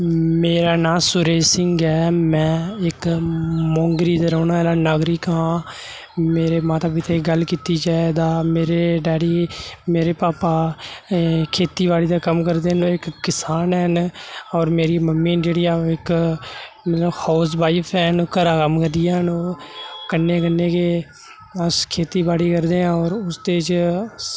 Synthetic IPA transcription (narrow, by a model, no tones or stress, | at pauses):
meːɾaːnãːsʊɾeːsɪŋɡɛːmɛ̃ːɪkmõːŋɡɾiːd̪əɾoːnaːɛlaːnaːɡɾiːkãː | meːɾeːmãːt̪aːbɪt̪ʰeːɡəlkiːt̪iːd͡ʒaːed̪aːmeːɾeːɖɛːɽiːmeːɾeːpaːpaː | kʰeːt̪iːbaːɽiːd̪aːkəmkəɾd̪eːɦnoːɪkːɪsaːnɛːɦnɔːɾmeːɾiːməmːĩːd͡ʒeːɽiːjaːɪk | mɛːt̪ləhʰɔːs̬baːipʰɛːnkəɾaːkəmkəɾd̪ijaːɦənoːkənːẽːkənːẽːkeː | əskʰeːt̪iːbaːɽiːkəɾd̪eːãːɔːɾʊst̪eːt͡ʃ